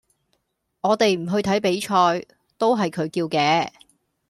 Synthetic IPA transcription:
ŋɔː˨˧t̪e˨jm̩˨˩ɦɵ˧ɥt̪ʰɐ˨˥jpe˨˥jt͡ʃʰɔː˧j | t̪o˥wɦɐ˨jkʰɵ˨˧ɥkiː˧wkɛː˧

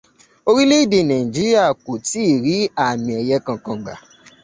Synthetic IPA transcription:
o˧ɾi˦le˦i˦˨de˧˨nã˨ĩ˨d͡ʒi˦ɾi˦a˦˨ku˨ti˨˦˨ɾi˨˦a˦˨mĩ˨ɛ˨jɛ˧kã˧kã˧ɡ͡ba̰˨

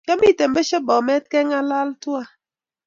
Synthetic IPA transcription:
kɛ˦mi˦˨te˨m˦be˦ʃɛ˦bɔ˨mɛ˦t̚kɛ˦ŋa˦la˦ltu˦a˦

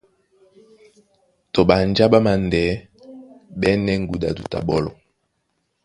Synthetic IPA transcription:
to˨ɓa˨nd͡ʒa˦ɓa˦ma˨ndɛ˨˦ | ɓɛ˦nɛ˦ŋ̩˦ɡu˨da˨du˨ta̰˨ɓɔ˦lɔ̰˨

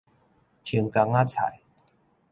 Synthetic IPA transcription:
t͡ɕʰi˧ə˧ŋka˧ŋa˦˥˩t͡sʰa̰˨˩˦j

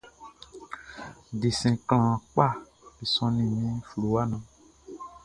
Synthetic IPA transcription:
ɖe˨sɛ̃˨kl̃ã˨k͡pa˦˨ | be˨sɔ̃˦nĩ˨mĩ˦flu˨wa˦nã˨

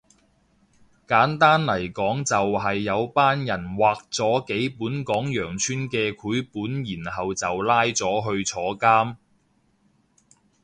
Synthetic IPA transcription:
kaː˨˥nt̪aː˥nlɐ˨˩jkɔː˨˥ŋt͡sɐ˨wɦɐ˨jːɐ˨˧wpaː˥njɐ˨˩nwaː˨k̚t͡sɔː˨˥ke˨˥jpuː˨˥nkɔː˨˥ŋjœː˨˩ŋt͡ʃʰyː˥nkɛː˧kʰuː˨˥jpuː˨˥njiː˨˩nɦɐ˨wt͡sɐ˨wlaː˥jt͡sɔː˨˥ɦɵ˧ɥt͡sʰɔː˨˥kaː˥m

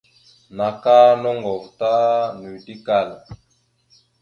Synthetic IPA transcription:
na˨ka˦nɔ˦ŋɡɔ˨vta˦nu˨di˦ka˦˨la˨

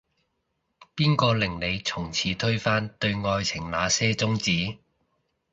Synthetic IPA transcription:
piː˥nkɔː˧lɪ˨˩ŋle˨˧jt͡sʰʊ˨˩ŋt͡sʰiː˨˥t̪ʰɵ˥ɥfaː˥nt̪ɵ˧ɥŋɔː˧jt͡sʰɪ˨˩ŋlaː˨˧sɛː˥t͡sʊ˥ŋt͡siː˨˥

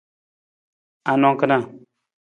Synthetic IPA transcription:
a˨no˦ŋkə˦na˦˨

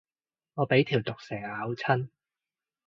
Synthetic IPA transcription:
ŋɔː˨˧pe˨˥jt̪ʰiː˨˩wt̪ʊ˨k̚sɛː˨˩ŋhaː˨˥wt͡sʰɐ˥n

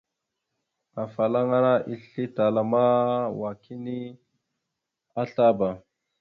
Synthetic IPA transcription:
a˨fa˨la˦ŋa˦ɾa˦ʔi˦ɬi˦ta˨la˨ma˦wa˨kʰi˦ni˦ | a˦ɬa˦ba˨

